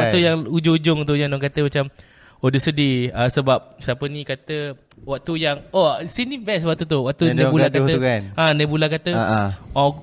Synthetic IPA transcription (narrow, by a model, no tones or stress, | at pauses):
aʔt̪ujaŋud͡ʒʊŋud͡ʒʊŋunt̪̬ʊʔjaŋnɔŋkat̪əmat͡ʃam | odəsədiasəbap̚sapənĩkat̪ə | wak̚t̪ujaŋosinĩvɛswak̚t̪ut̪uwaʔ̚t̪unabulatkat̪əkanãnabulakat̪əɔ